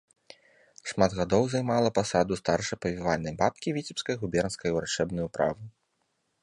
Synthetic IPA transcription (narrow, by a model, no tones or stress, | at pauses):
ʂmad̪ɣad̪ɔwzajmalˠɐpasad̪ust̪arʂɐjpɐvʲivalʲnɐjbat̪kʲivʲit͡sʲipskɐjɣubʲɛrnskɐjwɾat͡ʂɛbnujupɾa̰vu